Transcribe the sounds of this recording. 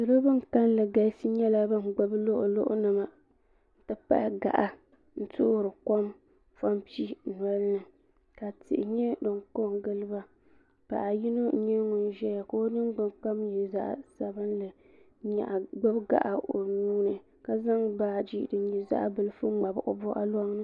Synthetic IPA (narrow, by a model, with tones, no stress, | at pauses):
dɨ˨ɾɨ˦bɨ˦ŋka˦nlɨ˨ɡa˦sɨ˦ɲɛ˦la˦bɨ˦n̩˨ɡ͡bʊ˦blo˦ʔʊ˨lo̰˦ʔʊ̰˦nɨ˨ma˨ | n̩˦tɨ˦pa̰˦ʔɪ˦ɡa̰˨ʔa˨ | n̩˦tʊ˦ʔɾɨ˨kɔ˦m | fa˦mpi˦nɔ˦lɨ˦nɨ˨ | ka˨tɪ̰˨ʔɪ˨ɲɛ˦dɨ˨ŋko˦˨ŋɡɨ˦lɨ˦ba˦ | pa̰˨ʔa˨ji˦no˦ɲɛ˦ŋʊ˨n˦ʒɛ˦ja˨ko˦nɨ˦ŋ˦ɡ͡bɨ˨ŋk͡pa˦mjɛ˨za̰˦ʔsa˨bɨ˦nlɨ˨ | ɲa̰˨ʔɡ͡bʊ˦bɡa̰˦˨ʔa˨ʔo˨nuː˦nɨ˨ | ka˦za˦ŋbaː˨d͡ʒi˦dɨ˨ɲi˨za̰˦ʔbɨ˨lɨ˦fu˦ŋ͡ma˨bʔʊ̰˨bʊ˦ʔa̰˦lɔ˦ŋnɨ˦